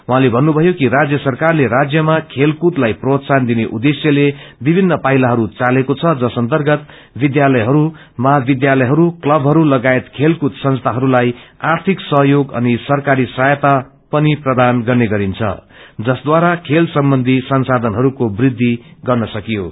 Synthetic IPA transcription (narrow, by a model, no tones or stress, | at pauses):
wuɦãlebʱʌnːubʱʌjokiɾad͡zjʌsʌrkarleɾad͡zjʌmakʰelkut̪lajprot̪sand̪ineʔud̪esjʌlebibʱinːʌpailaɦʌɾut͡salekot͡sʰʌd͡zʌsʌnt̪ʌrɡʌt̪ | bid̪jalʌjɦʌɾu | mʌɦabid̪jalʌjɦʌɾuklʌbʱɦʌɾulʌɡaet̪kʰelkut̪sʌ̃nst̪ʰaɦʌɾulajart̪ʰiksʌɦjoɡʌ̰nisʌrkaɾisajʌt̪a | pʌniprʌd̪anɡʌrneɡʌɾint͡sʰʌ̰d͡zʌsd̪waɾakʰelsʌmbʌnd̪ʱisʌnsad̪ʱʌnɦʌɾukobrid̪ʱːiɡʌrnʌsʌkijo